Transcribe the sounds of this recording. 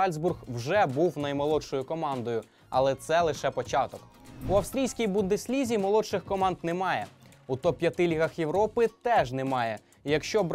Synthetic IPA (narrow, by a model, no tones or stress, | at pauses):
ɑlʲzburxwʒɛbuwnɐjmɔlˠɔʃɔjʊkɔmɑnd̪ɔjʊ | ɐlˠɛt̪sɛlˠɪʃɛpɔt͡ʃɑt̪ɔk | uɐwst̪ʲɾʲijsʲkʲijbund̪ɪsʲlʲizʲimɔlˠɔʃɪxkɔmɑnd̪nɛmɑjɛut̪ɔpʲjɐt̪ɪlʲiɦɐxjewɾɔpɪt̪ɛʒnɛmɑjɛ | jɐkʃt͡ʃɔb